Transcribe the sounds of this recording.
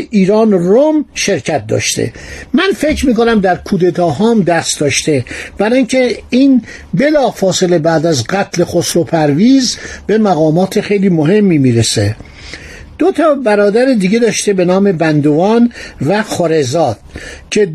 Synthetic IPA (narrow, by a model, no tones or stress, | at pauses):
ʔiːɾɒːnromʃe̞ɾcʰæt̪̚d̪ɒ̰ːʃt̪ʰḛmænfe̞cʰɾmiːko̞næmd̪æɾkʰuːd̪e̞t̪ʰɒːɦɒːmd̪æst̪d̪ɒːʃt̪e̞b̥æɾɒːiŋcʰe̞iːn | be̞lɒːfɒːse̞le̞bæːd̪æzɢæt̪ʰle̞xosɾopʰæɾviːzb̥e̞mæɣɒːmɒːt̪ʰexe̞jliːmoɦe̞mːiːmiːɾese | d̪̥ot̪ʰɒːbæɾɒːd̪æɾid̪iːɟe̞d̪ɒːʃt̪e̞be̞nɒːme̞bænd̪ovɒːnvæxoɾe̞zɒːd̪̥̚cʰe̞